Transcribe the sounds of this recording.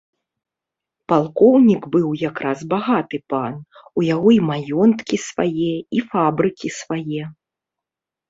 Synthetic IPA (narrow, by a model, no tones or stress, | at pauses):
palˠkɔwnʲiɡbɨwjakɾazbaɣat̪ɨpanujaɣɔimajɔnt̪kʲisva̰jɛifabɾɨkʲisvajɛ